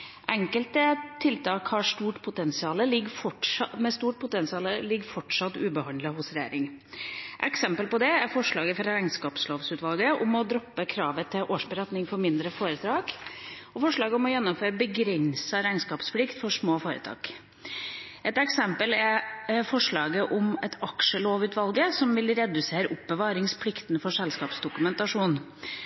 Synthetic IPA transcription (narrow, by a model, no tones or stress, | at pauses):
ʔɛŋkəlt̪ət̪ʰːɪlt̪ʰɑːkhɑʂt̪uːʈpʰʊt̪ɛnsɪɑːləlɪɡfɔʈmɛst̪uːʈ̚pʰʊt̪ɛnsɪɑːləlɪɡfɔʈʂɑt̪ːʉːbəhɑnd̪ləhʊsɾɛjæ̰ːɾɪŋ | ʔɛ̰ksɛmpəlpɔd̪ɛæɾfɔʂɭɑːɡəfɔɾæɪnskɑːpsloːʋsʉːt̪ʋɑlɡəʔʊmɔd̪ɾɔpːəkʰɾɑːʋət̪ʰɪlʔoːʂbəɾɛt̪nɪŋfɔɾmɪnd̪ɾəfoːɾət̪ʰɾɑːk | ɔfɔʂɭɑːɡəʊmɔjɛnːɔmføːɾəbəɡɾɛnsɑɾæɪnskɑːpsplɪkt̪fɔʂmoːfoːɾə̰t̪ʰɑ̰ːk | ʔɛt̪ɛksɛmpəlæɾfɔʂɭɑːɡəʔʊmɛt̪ʰɑkʂəloːʋʉːt̪ʋɑlɡəsɔmʋɪlɾɛd̪ʉseːɾəʔʊpbəʋɑːɾɪŋspʰlɪkt̪ənfɔʂɛlskɑːpsd̪ʊkʉmɛnt̪ɑʂuːn